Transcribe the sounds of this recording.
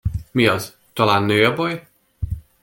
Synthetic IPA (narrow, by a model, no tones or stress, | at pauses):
miɒz | t̪ɒlaːnːøːɒbɒj